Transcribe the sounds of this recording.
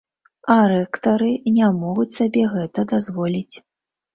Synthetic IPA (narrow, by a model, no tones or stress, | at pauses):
ɐɾɛkt̪ɐɾɨnʲamɔɣut͡sʲsabʲɛɣɛt̪ɐd̪azvɔlʲit͡sʲ